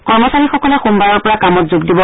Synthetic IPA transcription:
kɔɹmɔsaɹixɔkɔlɛxumbaɹɔɹpɔɹakamɔtzuɡdibɔ

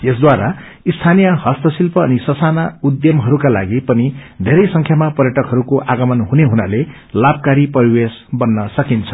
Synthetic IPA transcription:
jesd̪waɾa | ist̪ʰanijʌhʌst̪ʌsilpʌːnisʌsanaud̪jʌmɦʌɾukala̰ɡipʌnid̪ʱeɾʌjsʌŋkʰjamapʌɾjʌʈʌkɦʌɾukoʔaɡʌmʌnɦuneɦunale | lab̚kaɾipʌɾiwesbʌnːʌsʌkint͡sʰʌ̥

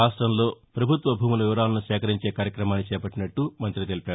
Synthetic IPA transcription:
aːsʈɾɐmlo̞ːpɾɐbʱut̪ʋɐbʱuːmulɐʋiʋɐɾaːnɐnuʃɛːkɐɾiɲt͡ʃeːkaːɾjɐkɾɐmaːnit͡ʃɛːpɐʈːinɐʈːumɐnt̪ɾit̪elipaːu

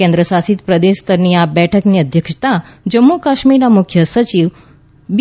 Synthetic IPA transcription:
ẽnd̪ɾəsasit̪pɾəd̪eʃt̪əɾniabɛʈʰəkniəd̪ʱjəkʃt̪ad͡ʒəmːukaʃmiɾnamʊkʰjəsət͡ʃiʋ | b

